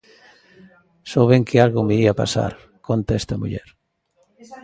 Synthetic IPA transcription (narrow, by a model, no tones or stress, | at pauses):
soβeŋkʰɪalɣʊmeiapa̰sa̰ɾ | kont̪ɛst̪ɐmṵʎɛɾ